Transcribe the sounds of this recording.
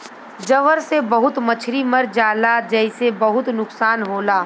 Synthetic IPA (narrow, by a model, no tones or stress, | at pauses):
d͡ʒɐʋəɾsebɐɦʊt̪mɐt͡ʃʰɾimɐɾd͡ʒaːlad͡ʒɛɪsebɐɦʊt̪nʊksaːnɦoːlaː